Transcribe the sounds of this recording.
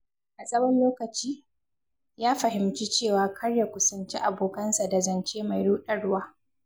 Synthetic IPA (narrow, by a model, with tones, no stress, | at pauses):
ʔa˨sʼɐ˦wɐ˦nloː˦kɐ˨t͡ʃiː˦ | jaː˦ɸɐ˨hɪ˨mt͡ʃi˦t͡ʃeː˦˨waː˨kʰɐ˦ɽja˨kʷʊ˦sɐ˨nt͡ʃi˦ʔa˨boː˨kɐ˦nsa˨da˨zɐ˨nt͡ʃeː˦ma˨jɽuː˦ɗɐ˦ɽʊ˦waː˦